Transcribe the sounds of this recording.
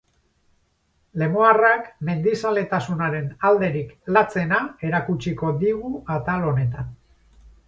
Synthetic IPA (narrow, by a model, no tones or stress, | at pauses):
le̞moarakme̞nd̪isale̞t̪asunaɾe̞nald̪e̞ɾiklat͡se̞nae̞ɾakut͡ʃiko̞ðiɣuat̪alo̞ne̞t̪an